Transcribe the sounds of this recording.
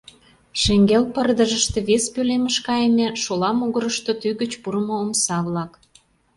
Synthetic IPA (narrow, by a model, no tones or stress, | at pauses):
ʃĕŋɡelpərd̪əʒəʃt̪ĕβespøleməʃkɑjemʲeʃolɑmuɣəɾəʃt̪ot̪yɣət͡ɕpuɾəmoomsɑβlɑk